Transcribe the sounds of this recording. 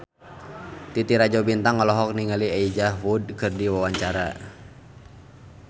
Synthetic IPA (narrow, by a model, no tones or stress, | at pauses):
t̪it̪iɾad͡ʒɔbint̪aŋːɔlɔɦɔk̚niŋaliaid͡ʒaɦud̚kɨrdiwawaɲt͡ʃaɾa̰